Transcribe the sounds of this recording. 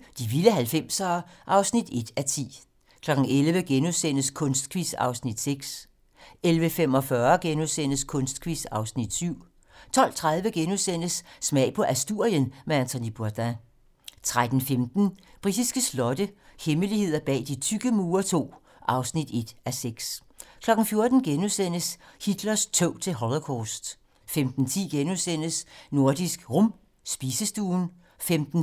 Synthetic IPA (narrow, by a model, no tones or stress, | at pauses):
d̥iʋiləɦælfem̰sɐːʔɑ̈ʊsnid̥e̝d̥æt͡sʰḭː | kʰlɒ̽ɡ̥ŋ̩elʋəɡ̥enusen̰əskʰɔ̽nsd̥̚kʰʋisɑ̈ʊsnid̥seɡ̥s | elʋəfem̰ɒ̽fɶɐɡ̥enusen̰əskʰɔ̽nsd̥̚kʰʋisɑ̈ʊsnid̥syʊ̰ | t͡sʰɒ̽l̰t͡sʰʁað̞ˠʋəɡ̥enusen̰əsːmɛ̰ɪ̰pʰɒ̽ʔæsd̥uɐ̰jənmeænt͡sʰonib̥uɐd̥æ | t͡sʰʁad̥n̩femd̥n̩b̥ʁid̥isɡ̥əslɒ̽d̥əheməlihe̝ð̰ˠɐb̥ɛ̰ːd̥it͡sʰyɡ̥əmuːɐt͡sʰo̝̰ː | ʔɑ̈ʊsnid̥e̝d̥æseɡ̥s | kʰlɒ̽ɡ̥n̩fjo̝ɐd̥n̩ɡ̥enusen̰əshid̥lɐst͡sʰøʊ̰t͡sʰe̝lɦɒlokʰɒːsd̥ | femd̥n̩t͡sʰḭːɡ̥enusen̰əsno̝ɐd̥isɡ̥ʁɔm | sb̥iːsəsd̥uːn | femd̥n̩